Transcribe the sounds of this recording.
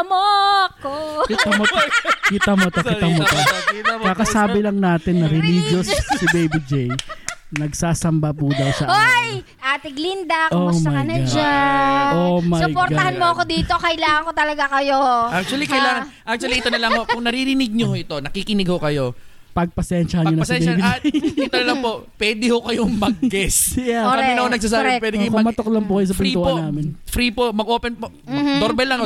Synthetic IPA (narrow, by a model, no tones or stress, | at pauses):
ɐmokːokɪt̪ɐmot̪kɪt̪ɐmot̪ɐkɪɐmot̪ɐkɐkɐsaːbɪlɐŋnaːt̪ɪnːɐɾɪlid͡ʒossibejbɪd͡ʒɛjnɐɡsaːsɐmbɐpud̪ɐwsɐʔoj | ʔaːt̪ɪɡlind̪ɐkosmɐɐɐnɐɡd͡ʒaomɐpoɾtɡ̪ɐhanmoɐkod̪iːt̪okɐʔɪlaːŋɐŋkot̪ɐlɐɡakɐjoʔak̚t̪t͡ʃuɐlikɐjlaːŋɐʔak̚t͡ʃ̪uɐliʔɪt̪onɐlɐŋhokʊŋnɐɾiɾɪnɪɡ̚ɲohoʔɪt̪o̞nɐkikɪnɪɡ̚ho̞kɐjo̞ | pɐɡ̚pɐsɛnʃɐhɐɲpɐɲonɐpɐsɛnbɪt̪onɐlɐpo̞pwɛːd̪ɪhokɐjoŋmɐɡ̚ɡɛsjakɐmɛnɐhonɐɡ̚s̬aːs̬aːbɪpwɛːd̪ɪkɐjʊmɐmɐt̪oklɐŋpokɐjos̬ɐpɪniuponaːmɪnfɾiːpomɐɡʔo̞ːpɛnpo | ɐd̪oɾbɛlːɐŋo